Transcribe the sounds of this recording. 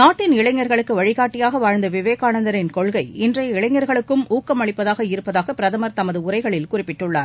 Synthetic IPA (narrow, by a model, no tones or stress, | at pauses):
naːʈːɪnɪɭɐɪŋːɐɾɣɐɭɯkːɯʋɐɻɪɣaːʈːɪjaːɣɐʋaːɻnd̪ɐʋɪʋeːkaːnɐnd̪ɐɾɪnkɔɭɣɐɪɪndrɐjɪɭɐɪŋːɐɾɣɐɭɯkːɯmuːkːɐmɐɭɪpːɐðaːɣɐɪɾɯpːɐðaːɣɐpɪɾɐðɐmɐɾt̪ɐmɐðɯʊrɐɪɣɐɭɪlkʊrɪpːɪʈːɯɭːa̰ːɾ